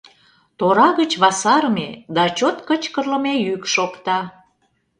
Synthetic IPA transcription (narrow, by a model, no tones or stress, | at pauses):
t̪oɾɑɣət͡ɕβɑsɑɾəmed̪ɑt͡ɕot̪kət͡ɕkərlə̆mejykʃokt̪ɑ